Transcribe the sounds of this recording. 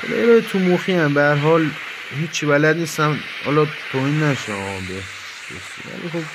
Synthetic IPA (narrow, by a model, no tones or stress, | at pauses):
ḛl̰eɾɒːjet̪ʰumoxiæmbeæɾɦɒːl | ɦiːt͡ʃʰːivælæd̪niːst̪æm | hɒ̰ːlɒt̪ʰoːhiːnːæʃebe | s | o̰sḭʋæ̰lḭxob̚